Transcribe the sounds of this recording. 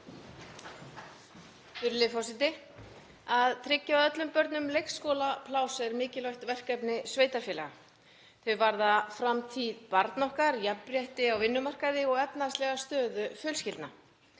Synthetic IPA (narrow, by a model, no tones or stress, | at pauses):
fʏɾlɪfɔwsɪt̪ɪ | aðt̪ʰɾɪcːawðœt̪lʏmpœɾt̪nʏmlejkskoːlapʰlaːwsɛɾmɪːcɪlɔɥht̪vɛr̥kɛpnɪsveːjt̪aɾfɪːlɛ̰ɣa | θʏɥvaɾðafɾamt̪ʰiðpaɾt̪nɔhkaɾjappːɾjɛht̪ɪawvɪnːʏmar̥kaðɪɔɣɛpnast̪lɛɣast̪œːðʏfjœːlscɪlt̪na